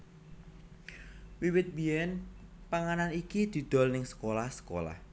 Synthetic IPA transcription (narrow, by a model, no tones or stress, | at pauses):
wiwɪt̪̚bijɛnpaŋananikid̪̥i̤d̪̥ɔ̤lnɪŋsə̥kolahsə̥ko̰la̰h